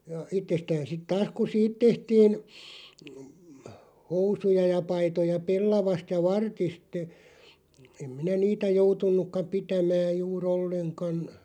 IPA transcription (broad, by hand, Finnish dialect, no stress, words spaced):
jɑ itːestæːn sit tɑːs ku siːt tehtiːn housujɑ jɑ pɑitojɑ pelːɑʋɑst jɑ ʋɑrtist ĕ em minæ niːtæ joutunˑukːɑ pitæmæːj̆ juːr olːeŋkɑn